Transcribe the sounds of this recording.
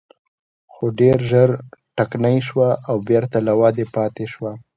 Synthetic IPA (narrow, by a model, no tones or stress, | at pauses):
xoɖeɾʒəɾʈaknajʃwaːwbjeɾt̪alawɑd̪epɑt̪eʃwa